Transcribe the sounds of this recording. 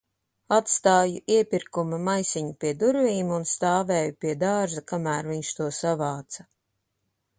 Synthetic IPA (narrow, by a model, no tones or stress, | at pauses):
at̪st̪aːjuʔiɛpʲiɾkumamajsiɲupiɛd̪uɾvʲiːmunst̪aːvɛːjupiɛd̪aːʒakamæːɾviɲʃt̪uɔsavaːt̪sɐ